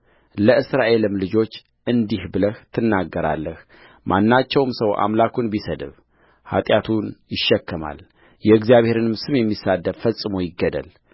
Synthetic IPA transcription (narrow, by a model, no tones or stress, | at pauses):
ləʔɨsɾaʔe̞lɨmlɨd͡ʒo̞t͡ʃː | ʔɨnd̪ihbɨləht̪ʰɨnːaɡːəɾa̰lːəh | mʔanːat͡ʃːɛwmsəwʔa̰mlakʰunbisəd̪ɨ̰β | ha̰t̪ʼjat̪ʰunjɪʃːɛkːɨma̰l | jɛɨɡzijaβhe̞ɾɨnɨmsɨmjɛmːisad̪ːəɾfəsʼːɨmojɪɡːəd̪ə̰l